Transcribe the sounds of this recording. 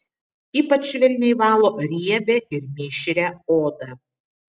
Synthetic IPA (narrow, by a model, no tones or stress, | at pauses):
iːpɐt͡ʃʋʲɪlʲnʲɛɪʋɑːlˠoːɾʲiɛbʲɛʔɪɾmʲɪʃʲɪɾʲɛoːd̪ɐ